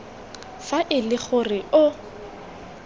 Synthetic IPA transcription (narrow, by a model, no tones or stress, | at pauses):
faʔɪlɪχʊrɪʊ